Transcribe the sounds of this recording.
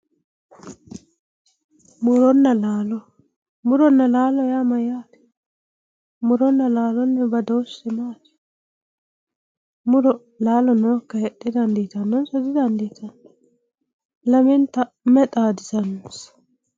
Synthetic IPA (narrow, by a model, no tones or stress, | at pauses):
mʊɾɔnːɐlaːlɔ | mʊɾɔnːɐlaːlɔjamɐjaːt̪ɛ̥ | mʊɾɔnːɐlaːlɔnːɛbɐd̪oːsːɛmaːt̪ɛ̥ | mʊɾɔ | laːlɔnoːkːɐjɛɗːɪd̪ɐnd̪iːt̪ɐnːɔnsɔd̪ɪd̪ɐnd̪iːt̪ɐn | lɐmɛnt̪ɐ | mɛt̪ʼaːd̪ɪzɐnɔs